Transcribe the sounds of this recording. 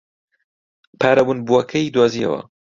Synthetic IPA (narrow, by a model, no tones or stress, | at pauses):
pʰaːɾɐbunbuɐkʰɐid̪waːziɐ̰wɐ̰